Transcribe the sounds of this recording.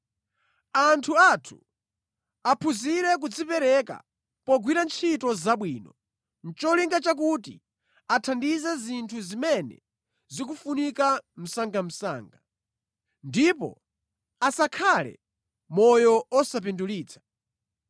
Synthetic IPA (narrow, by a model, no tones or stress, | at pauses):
antʰuatʰu̥̰ | apʰuziɾɛk̬ud͡zipɛɾɛka̰ | pɔɡwiɾant͡ʃʰitɔzaɓwiːnɔ̰ | n̩t͡ʃɔliŋɡat͡ʃak̬utḭ | atʰandizɛzintʰuzimɛnɛ̰ | zik̬ufunikam̩saŋɡam̩sa̰ːŋɡa | ndipɔ̰ | asakʰalɛ̰ | mɔjɔɔsap̬induliːt͡sʰḁ